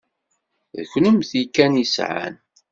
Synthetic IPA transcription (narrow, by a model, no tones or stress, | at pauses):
ðəçnəmθikːænisʕa̰n